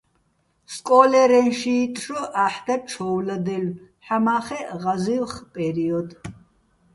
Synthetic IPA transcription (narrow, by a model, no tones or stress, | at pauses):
skʼɔːlɛɾɛnʃiːt̪ʼɾɔʔaħd̪ɛp̚t͡ʃʰɔwlad̪ɛlħamaːχɛʁazilχpʼɛɾiɔd̪